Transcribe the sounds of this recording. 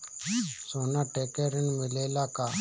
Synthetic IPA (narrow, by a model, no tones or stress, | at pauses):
soːnaːʈekeɾənmɪleːlaka